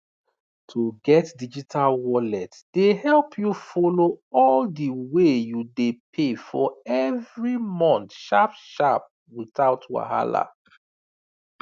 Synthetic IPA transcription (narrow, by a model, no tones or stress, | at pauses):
tʰuɡɛtdid͡ʒitʰalwɔlɛt | d̥ehɛlpʰjufɔloɔldiwejudepʰefɔɛvɹimɔ̃ntʃapʃap̚ | wiθaʊtwa̰ɦa̰la̰